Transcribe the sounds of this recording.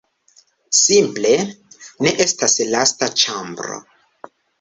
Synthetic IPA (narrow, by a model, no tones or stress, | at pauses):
simple̞ne̞ʔe̞staslastat͡ʃambɾo̰